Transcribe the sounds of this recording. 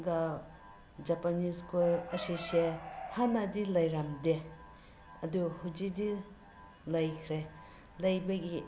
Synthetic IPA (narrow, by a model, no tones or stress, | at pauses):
ɡa | d͡ʒapaniskulɐsisehanadilɐjɾamde | ɐduhud͡ʒidi | lɐjkʰɾe | lɐjbɐɡi